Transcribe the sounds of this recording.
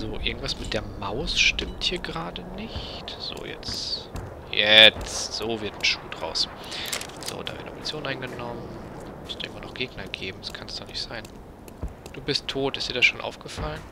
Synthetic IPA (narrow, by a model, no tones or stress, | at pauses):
zoːʔɪɐɡŋ̩tv̥asmɪt̚d̥eːɐmaʊsʃtɪmthiːɐɡəʁaːdənɪçtz̥o̰ːjɛ̰t͡s | jɛt͡stz̥oːvɪɐtn̩ʃuːdʁa̰ʊs | z̥o̰ːda̰ːvɪ̰ɐdnəʔo̰mt͡sjoːnʔaɪnɡənɔmənmʊstɪ̰ŋmɐnɔχɡ̥eːɡnɐɡeːbm̩daskʰansd̥ɔnɪçtz̥aɪn | d̥uːbɪstʰoːtɪstd̥iːɐdasʃoːnʔa̰ʊfɡ̥əfalən